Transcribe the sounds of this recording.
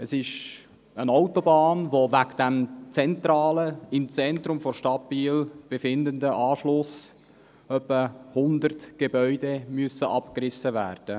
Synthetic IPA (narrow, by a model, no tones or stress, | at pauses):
əsɪʃ | ənaʊtobɑːnʋovækd̥ɛmt͡sɛntrɑːləɪmt͡sɛnt̪ɾʊmfɔɾʃtɑbiːlb̥efɪndəndəʔɑːʃlʊs | œpːəhʊnd̪ərtɡ̥ebœʏdemyəsəʔɑpkrɪsəvæːrd̥ə